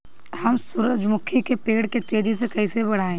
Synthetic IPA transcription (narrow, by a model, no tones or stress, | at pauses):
hɐmsʊɾəd͡ʒmʊkʰikepeːɽket̪eːd͡ʒis̬ekɐisebɐɽ̤aːẽː